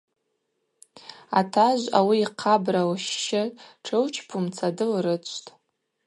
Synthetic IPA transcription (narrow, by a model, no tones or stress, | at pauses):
a̰tʰaʒʷa̰wiːqʰabrawʃːɪʈ͡ʂʰɨwt͡ʃʰpʰumt͡sʰadɨlrɨt͡ɕʷʰtʼ